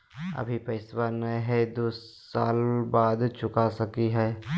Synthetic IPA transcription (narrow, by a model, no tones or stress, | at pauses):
ɐ̰bʱipɐɪswanɐjɦɛd̪oː | sa̰ːlbaːd̪t͡ʃʊkasɐkiɦɛː